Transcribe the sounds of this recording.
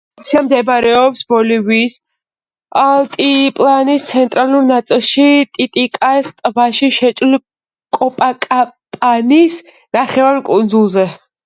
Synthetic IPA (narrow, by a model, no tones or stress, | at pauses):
t̪sʰiamd̪ɛbɾɛɔpsbɔliviːs | alˠt̪ʼipʼlˠanist̪sʰɛnt̪ʼɾaluɾnat̪sʼilˠʃit̪ʼit̪ʼikʼast̪ʼvaʃiʃɛt͡ʃʼl | kʼɔpʼakʼapʼanis | naχɛvaɾkʼund̪zulˠzɛ